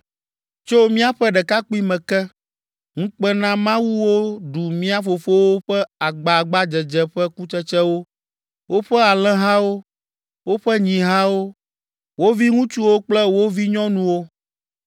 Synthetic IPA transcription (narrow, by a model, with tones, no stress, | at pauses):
t͡ʃo˦mĩ˦a˦ɸɛ˦ɖɛ˨ka˦k͡pi˦mɛ̃˨kɛ˦ | ŋũ˦k͡pɛ˦nã˦mã˦wu˦wo˦ɖu˨mĩ˦a˦fo˨fo˦wo˦ɸɛ˦a˨ɡ͡ba˨ɡ͡ba˦d͡ʒɛ˨d͡ʒɛ˨ɸɛ˦ku˦t͡ʃɛ˦t͡ʃɛ˦wo˦ | wʔo˦ɸɛ˦a˨lɛ̃˦ɦã˦wo˦ | wo˦ɸɛ˦ɲĩ˨ɦã˦wo˦ | wo˦vi˦ŋũ˦t͡ʃu˦wo˦k͡plɛ˦wo˦vi˦ɲɔ̃˦nũ˦wo˦